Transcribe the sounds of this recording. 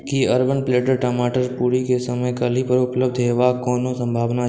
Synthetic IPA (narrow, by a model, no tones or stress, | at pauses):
kiəɾbənpleːʈəɾʈəːmaːʈəɾpuɽikesəməjkəlipəɾʊpləb̚d̪ʱɦeʋakoːnõsə̃mbʱaːʋna